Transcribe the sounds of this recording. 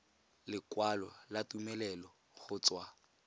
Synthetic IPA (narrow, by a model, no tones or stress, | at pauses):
lɪkwalɔlatumɛlɛlɔ | χʊt͡swa